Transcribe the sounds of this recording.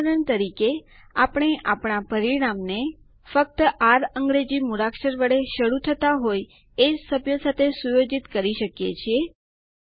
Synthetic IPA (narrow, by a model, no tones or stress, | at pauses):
ɾəɳt̪əɾikeapɽ̃eʔapɳ̃apəɾiɽ̃amne | fək̚t̪əʔaɾəŋɡɾed͡ʒimuɾakʃəɾʋəɭeʃəɽut̪ʰət̪aɦoj | ed͡ʒsəbjosat̪ʰesujod͡ʒit̪kəɾiʃəkjet͡ʃʰie